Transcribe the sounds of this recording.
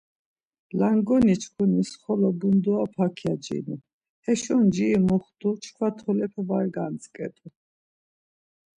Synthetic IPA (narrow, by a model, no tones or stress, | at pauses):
laŋɡɔnit͡ʃʰkʰunisχɔlɔbund̪uapʰakʰjad͡ʒḭnu | hɛʃɔnd͡ʒiːmɔχt̪ut͡ʃʰkʰwat̪ʰɔlɛpʰvaɾɡant͡skʼɛ̰t̪ʼu